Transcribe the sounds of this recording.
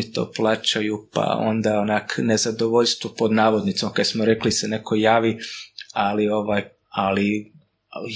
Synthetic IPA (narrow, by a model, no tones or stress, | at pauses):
it̪o̰plˠaːt͡ʃajupa̰o̰nd̪aonakne̞zad̪oʋoʎst̪ʋopod̪naːʋod̪nit̪somkad̪smoɾe̞klisene̞ko̞jaːʋialio̞ʋaːj | ali